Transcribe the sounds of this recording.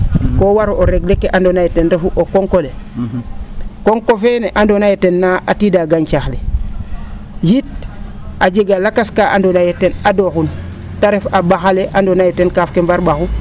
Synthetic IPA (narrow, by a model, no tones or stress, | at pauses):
kowaɾoɾeɡlekːeʔandonajetendefuʔokoŋkole | koŋkofeneʔandonajetenːaʔatidaɡaɲt͡ʃaxle | jit̚ | ad͡ʒeɡalakaskaʔa̰ndonajetenadoxun | taɾefabaxaleʔandonajetenkafkembaɾbaxu